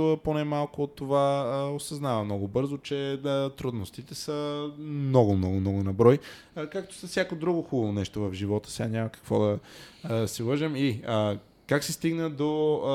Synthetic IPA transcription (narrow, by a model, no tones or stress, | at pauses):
əponɛmalˠkʊot̪ːovaosɐznavɐmnɔɡʊbɤɾzot͡ʃɛt̪ɾud̪nost̪it̪ɛsəmnɔɡʊmnɔɡʊmnɔɡʊnɐbɾɔj | kak̚t̪o̥sɐsʲjakod̪ɾuɡʊxubəvonɛʃt̪ovɐvʒivɔt̪ə̥sɛanʲamɐkɐ̥kvɔd̪ɐ | sivəʒəmiə | kaksɛst̪iɡnəd̪o